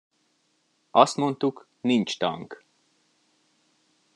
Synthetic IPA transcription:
ɒst̪mo̞nt̪uk | nint͡ʃt̪ɒ̰ŋk

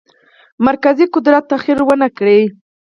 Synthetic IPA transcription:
maɾkaziqʊd̪ɾat̪ːaxiɾwənakɽe

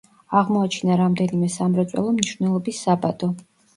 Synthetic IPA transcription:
aʁmɔat͡ʃʰinaɾamd̪ɛnimɛsamɾat̪sʼwɛ̰lˠɔmniʃvnɛlˠɔbisːabad̪ɔ

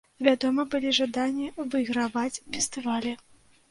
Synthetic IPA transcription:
vʲad̪ɔmɐbɨlʲiʐad̪anʲːivɨiɣɾavat͡sʲfʲɛst̪ɨvalʲɛ

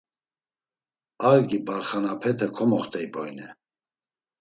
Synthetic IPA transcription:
aɾɡibaɾχanapʰɛt̪ʰɛkʰɔmɔχt̪ʰʼɛibɔjnɛ

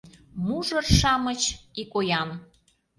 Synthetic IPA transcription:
muʒərʃɑmət͡ɕikojɑn

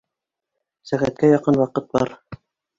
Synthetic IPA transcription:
sæʁæt̪̚kæjɑqɤnwɑqɤt̪̚bɑ̰ɾ

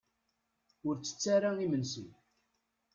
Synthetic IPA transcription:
ʊɾt͡sːə̥t͡sːaɾaimənsə̰n

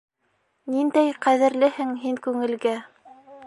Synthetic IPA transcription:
nind̪æjqæðɘ̆ɾlɘhɘŋɦiŋkʉŋɘ̆lɡæ

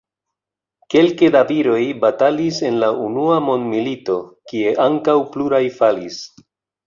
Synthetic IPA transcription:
ke̞lke̞daviɾo̞jbatalise̞nlaunuamo̞ndmilito̞kie̞ʔaŋkawpluɾajfalis

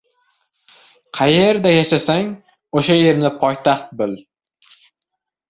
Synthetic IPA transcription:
qʰɑjeɾd̪ajaʃasaŋ | oʃajeɾnɪpʰɒjt̪ʰaχt̪̚bɪl

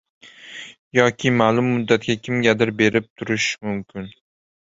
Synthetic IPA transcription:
jɒkʲʰɪmaːlˠʊmːʊd̪ːat̪̚ɡʲakʲʰɪmɡʲad̪ɪɾbe̞ɾɪp̚t̪ʰʊɾɪʃmʊmkʲʰɪn

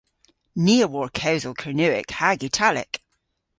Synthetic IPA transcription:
niəwɔɹkʰəʊzəlˠkʰənʉɪ̰khaɡitʰalɪ̰k

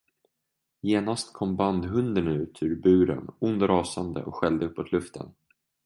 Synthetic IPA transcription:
jeːnast̪kʰɔmband̪ɦɵnd̪ənʉ̟ːt̪ʰʉɾbʉ̟ːɾə̰nʊnd̪ɾɑːsand̪ə̰ʔɔkɧɛld̪əɵpːɔt̪ʰlɵft̪ʰə̰n

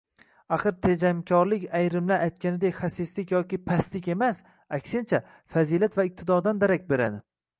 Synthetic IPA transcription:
aχɨɾt̪ʰed͡ʒamkʲʰɒɾlɪkʲajɾɪmlaɾajt̪̚kʲʰanɪd̪ekʲχasɪslɪkʲjɒkʲɪpʰast̪lɪkʲe̞mas | akʲsɪnt͡ʃʰa | fazilat̪vaɪp̚t̪ʰɪd̪ɒd̪and̪aɾak̚ʲbe̞ɾa̰d̪ɪ

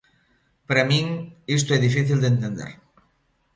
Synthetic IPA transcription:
paɾamĩŋis̬t̪oɛðifiθild̪ent̪end̪ḛɾ

